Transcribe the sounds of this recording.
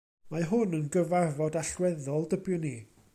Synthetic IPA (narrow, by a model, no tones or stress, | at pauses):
maɦʊnənɡəvarvɔdaɬwɛðɔlˠdəbjʊni